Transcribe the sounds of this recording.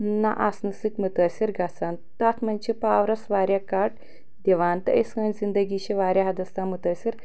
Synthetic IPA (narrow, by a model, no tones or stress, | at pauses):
nɐ̰ʔasnɨsikmɨt̪əsʲiɾɡasaːn | t̪aːt̪ʰmɐnʲt͡ʃʰipaːʋɾɐsʋaːɾʲjakaʈ | d̪iʋaːnt̪ɐɐskɐːnʲzind̪ɐɡiːʃiʋaːɾʲjaɦɐd̪ɐst̪amut̪ɐːsʲiɾ